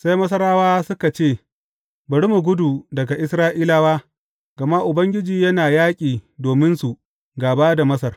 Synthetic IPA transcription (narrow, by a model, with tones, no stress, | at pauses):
sa˦jmɐ˦s̬ɐ˦ɾaː˦waː˦sʊ˦ka˨t͡ʃeː˦˨ | bɐ˨ɽi˦mu˨ɡʷʊ˦du˨dɐ˨ɡa˨ʔɪ˦sɾaː˦ʔiː˦laː˦waː˦ | ɡ̥ɐ˨ma˦ʔʊ˨bɐ˦ŋɡʲɪ˦d͡ʒiː˨jɐ˦naː˨jaː˦kʲʼiː˨doː˨mɪ˦nsu˨ | ɡaː˨baː˦da˨mɐ˦sɐ˨r